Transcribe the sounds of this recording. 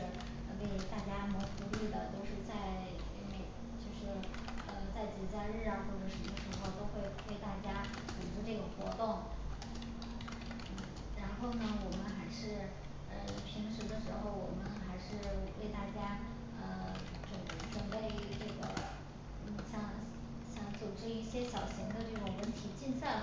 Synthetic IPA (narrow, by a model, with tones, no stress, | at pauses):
we˥˧ɪt̪a˥˩t͡ɕja˥m˧˥fu˧˥ly˥˩d̪ə˩t̪o˥˧ʊʂɻ̩˥˧t͡sa˥˩ɪ˧ | me˨˩ɪ | t͡ɕjo˥˧ʊʂɻ̩˥˩ | ə˧t͡sa˥˩ɪt͡ɕi˨˩t͡sa˥˧ɪɻɻ̩˥˩ə˥˧xwɔ˥˩ʈ͡ʂə˨˩ʂə˧˥mə˧ʂɻ̩˧˥xo˧ʊt̪o˥ʊxwe˥˩ɪwe˥˧ɪt̪a˥˩t͡ɕja˥ | ʈ͡ʂu˨˩ʈ͡ʂ̩˥ʈ͡ʂɤ˥˩ɡə˩xwɔ̰˧˥t̪ʊ˥˩ŋ | n̩˥˩ | ɻa˧˥nxo˥˩ʊnə˩wɔ˨˩mə˦nxa˧˥ɪʂɻ̩˥˩ | ə˧pʰi˧˥ŋʂɻ̩˧˥d̪ə˧ʂɻ̩˧˥xo˥˧˩ʊwɔ̰˨˩mə˦nxa˧˥ɪʂɻ̩˥˧we˥˧ɪt̪a˥˩t͡ɕja˥ | ə˧ | ʈ͡ʂə˧˩ŋ˥˩ʈ͡ʂə˨˩npe˥˩ɪy˧˥ʈ͡ʂɤ˥˩ɡə̰˩ | n̩˥˩ɕjɑ˧˥ŋ | ɕjɑ˧˥ŋt͡su˨˩ʈ͡ʂɻ̩˥i˥˩ɕjɛ˥ɕjɑ˨˩ʊɕi˧˥ŋd̪ə˧ʈ͡ʂɤ˥˩ʈ͡ʂʊ˨˩ŋwə˧˥nt̪ʰi˨˩t͡ɕi˥˧nsa˥˩